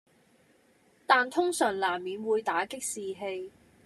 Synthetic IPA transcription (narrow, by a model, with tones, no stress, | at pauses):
t̪aː˨nt̪ʰʊ˥ŋsœː˨˩ŋlaː˨˩mːiː˨˧nwuː˨˧jt̪aː˨˥kɪ˥k̚siː˨ɦe˧j